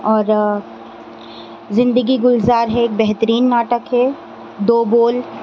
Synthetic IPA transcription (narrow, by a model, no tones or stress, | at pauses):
ɔːɾ | zɪ̃nd̪əɡiɡʊlzaːɾɦɛːk̚bɛɦt̪əɾiːnːaːʈəkɦɛ | d̪oːboːl